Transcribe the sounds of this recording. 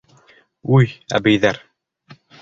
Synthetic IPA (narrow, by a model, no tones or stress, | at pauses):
ʉjæ̰bɘjðæɾ